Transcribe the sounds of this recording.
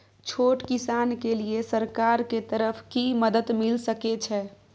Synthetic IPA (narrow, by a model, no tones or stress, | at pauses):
t͡ʃʰoʈkisankeliesəɾkaɾket̪əɾəpʰkiməd̪əd̪milsəkɛt͡ʃʰɛ